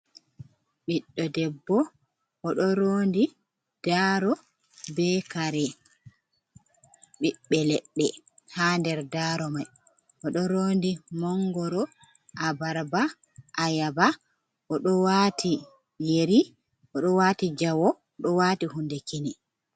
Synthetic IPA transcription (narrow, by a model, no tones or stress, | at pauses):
ɓiɗːɔdɛbːɔ | ʔːɗɔɾoːndi | d̥aːɾɔ | bɛːkaɾɛ | ɓiɓːɛlɛɗːɛ | haːndɛɾdaɾɔmaj | ʔɔɗɔɾoːndimɔŋɡɔɾɔ | ʔabaɾba | ʔajaba | ʔɔɗɔwatʰi | jeɾi | ɔɗɔwatid͡ʒawɔ | ɗɔwaːtihundekini